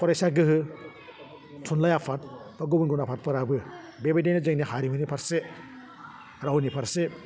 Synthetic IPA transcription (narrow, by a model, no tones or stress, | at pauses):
pʰɔɾesaɡɯɦɯ | tʰunlajapʰat̚paɡubɯnɡunapʰat̚pɯɾabɯ | bebedejnɯzɯŋnihaɾimunipʰaɾse | ɾawnipʰaɾse